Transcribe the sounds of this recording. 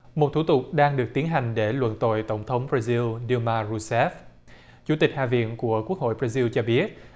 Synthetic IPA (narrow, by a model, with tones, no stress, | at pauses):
mo˨˩t̚t̪ʰu˧˩t̪ʊ˨˩k͡p̚ɗaː˧ŋɗɨ˨˩ək̚t̪i˨˦ənɦa˨˩jŋ̟ɗe˧˩lwə̰˧˨nt̪o̰˧˨jt̪ə˧˩wŋ͡mt̪ʰə˨˦wŋ͡mbɾaː˧zi˧lɗi˧maː˧ɹu˧sɛ˦˥f | t͡ɕu˧˥t̪ï˨˩k̟̚ha̰ː˧˨vḭ˧˨ənku˧˩əku˦˥ək̚ho̰˧˨jbɾaː˧zi˧wt͡ɕɔ˧ɓi˦˥ət̚